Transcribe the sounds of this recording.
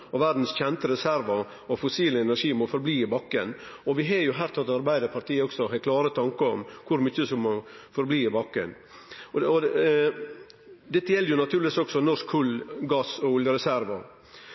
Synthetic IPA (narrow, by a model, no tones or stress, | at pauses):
ɔʋæɾd̪n̩sçɛnt̪əɾɛsæɾʋɑ | ɔfʊsiːləɛnæɾʂiːmɔfɔɾbliːɪbɑkːən | ɔʋɪɦɑjʊɦæːɾt̪ʰɑt̪ɑɾbæɪd̪əɾpʰɑɾʈ̪ʰiːəɔɡ̥sɔɦɛkʰlɑːɾət̪ʰɑŋkəɔmkʰʊɾmʏçːəsɔmːɔfɔɾbliːɪbɑkːə̰n | ɔ | d̪ɛt̪ːəjɛlːəjʊnɑt̪ʰʉːɾlɪʋisɔksɔnɔʂkʰːʉlːɡɑsɔʊljəɾɛsæɾʋɑ